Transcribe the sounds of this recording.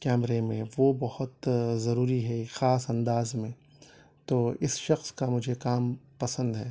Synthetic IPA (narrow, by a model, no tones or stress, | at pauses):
kɛːmɾemẽʋoːbɐhʊt̪zɐɾuːɾiɦɛxaːsɐ̃nd̪aːzmẽ | t̪oːɪsʃɐxskamʊd͡ʒʱekaːmpɐsə̃nd̪ɦɛː